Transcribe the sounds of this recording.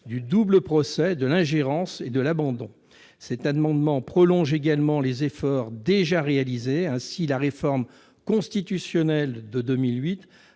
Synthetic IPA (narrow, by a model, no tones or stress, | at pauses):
d̪yd̪ubləpχɔsɛd̪əlɛ̃ʒeʁɑ̃sed̪əlabɑ̃d̪ɔ̰̃ | sɛt̪ad̪mɑ̃d̪mɑ̃pχɔlɔ̃ʒeɡalmɑ̃lezefɔʁd̪eʒaʁealizeɛ̃silaʁefɔʁm | kɔ̃st̪it̪ysjɔnɛld̪əd̪əmilɥit̪